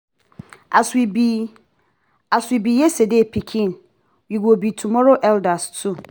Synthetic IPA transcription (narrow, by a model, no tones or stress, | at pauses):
aswibi | aswibijɛsedepʰikʰĩn | wiwobitʰumɔɾoʔɛldastʰu